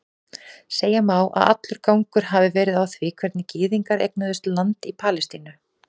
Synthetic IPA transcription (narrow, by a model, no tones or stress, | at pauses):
seːjamaːwʔa̰ða̰t̪lʏɾ̥kawŋkʏɾ̥ɦavɪvɛːɾɪðawθvɪkʰv̥ɛɾt̪nɪcɪːðiŋkaɾḛjk̚naðʏst̪lant̪ipʰaːlɛst̪inʏ